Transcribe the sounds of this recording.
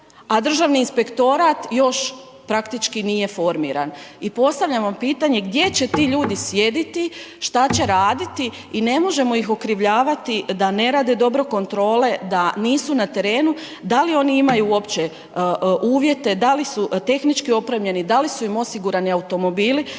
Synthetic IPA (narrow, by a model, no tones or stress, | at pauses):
ad̪r̩ʒaʋniːnspe̞kt̪o̞ɾat̪jo̞ʃ | pɾakt̪it͡ʃkinije̞fo̞ɾmḭːɾa̰nipo̞st̪aʋʎamʋampiːt̪aɲe̞ɡd̪je̞t͡ɕe̞t̪iːʎuːd̪isʋje̞d̪it̪iʃt̪at͡ɕe̞ɾaːd̪it̪i | ine̞mo̞ʒe̞mo̞ixo̞kɾiʋʎaːʋat̪id̪ane̞ɾaːd̪ed̪o̞bɾo̞ko̞nt̪ɾo̞ːle̞d̪aniːsunat̪e̞ɾe̞ːnu | d̪alio̞niimajuo̞pt͡ɕe̞ | ʔuːʋje̞t̪e̞d̪alisut̪e̞xnit͡ʃkio̞pɾemʎe̞nid̪alisuimo̞siɡuɾaniawut̪o̞mo̞biːli